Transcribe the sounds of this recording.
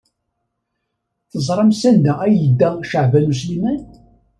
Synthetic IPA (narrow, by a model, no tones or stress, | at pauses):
θəzˤɾˤɑmsænd̪ææjəd̪ːæʃəʕvælus̬limæn